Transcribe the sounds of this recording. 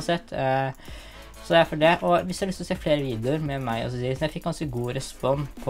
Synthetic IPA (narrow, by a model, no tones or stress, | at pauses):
nsɛt̪ː | sɔd̪ɛæɾfɔɖɛʔɔʋɪsd̪æɑlʏst̪ɔseːfleːɾəʋiːd̪ʊəɾmɛmæɪʔɔ̰sɔsiːd̪əsɔmjæɪfɪkːɑnsəɡuːɾɛspɔnːpʰɔ